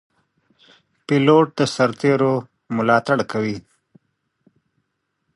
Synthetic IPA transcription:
piloʈ̚d̪əsaɾt̪eɾo | mʊlɑːt̪aɽkʰawi

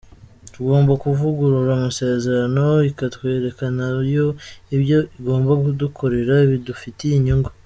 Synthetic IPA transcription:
tuɡo̞ːmbakuvuɡuɾuɾamuse̞ːze̞ɾano̞ikatwe̞ːɾe̞kanajo̞iβjo̞iɡo̞ːmbakudukʰo̞ɾe̞ɾaiβidufiteiɲuŋɡo

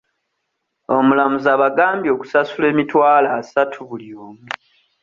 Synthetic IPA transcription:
o̞mulamuzaːβaɡaːmbjo̞ːku̥sasule̞ːmitwaːlasatʰuβulioːmu

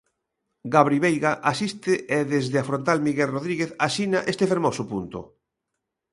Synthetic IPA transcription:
ɡaβɾiβejɣaʔasist̪ɪʔeðezðɪafɾõnt̪almiɣelroðɾiɣeθasinaʔest̪efeɾmosʊpunt̪ʊ̰

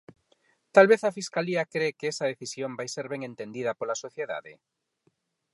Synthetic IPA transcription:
t̪alβeθɐfiskaliɐkɾekeɛsɐð̞eθisjõmbajseɾβeŋẽnt̪ẽnd̪ið̞ɐpolasoθjeða̰ðɪ̰

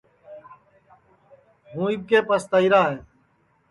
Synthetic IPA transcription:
ɦũːib̚keːpəst̪əiɾaːɦẽː

